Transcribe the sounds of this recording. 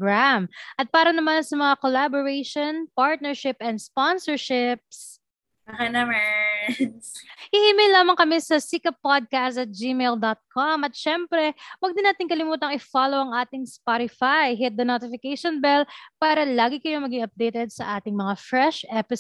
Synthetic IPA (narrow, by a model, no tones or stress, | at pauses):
ɡɾamʔɐt̪̚paːɾɐnɐmansɐmɐŋakolaboɹɛjʃonpaɹt̪̚nɛɹʃɪpɛnd̪sponsɛɹʃɪp̚s | ɐŋanɐmɛ | hɪhiːmɛjlːaːmɐŋkɐmɛsɐsikɐpːod̪̚kast̪ɐt̪̚d͡ʒimɛjld̪ot̪̚kʰomʔɐt̪̚ʃɛmpɾɛwɐɡd̪ɪnaːt̪ɪŋkɐlɪmuːt̪ɐŋʔɪfaːlowʔɐŋʔaːt̪ɪŋspaɾɪfajɦɪt̪̚d̪ɐnoːt̪ɪfɪkejʃonbɛlpaːɾɐlaːɡɪkɐjomɐɡɪŋɐp̚d̪ejt̪ɛd̪̚sɐʔaːt̪ɪŋmɐŋafɹɛʃʔɛpɪs